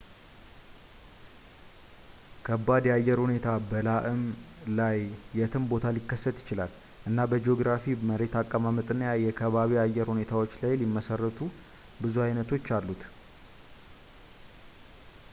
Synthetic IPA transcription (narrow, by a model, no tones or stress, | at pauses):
kʰəbːad̪jɛajːɛɾhune̞t̪ʰabəlaʔɨm | lajːɛt̪ʰɨmbo̞t̪ʰalikːəsːət̪jɪt͡ʃɪla̰l | ʔɨnːabəd͡ʒo̞ɡɾafiməɾe̞t̪ʰakʼːəmamɨt̪ʼɨnːəjajɛkʰəβaβiajːɛɾhune̞t̪ʰawo̞t͡ʃːlajlimːəsərːət̪ʰu | bɨzuajnət̪ʰo̞t͡ʃːalːut̪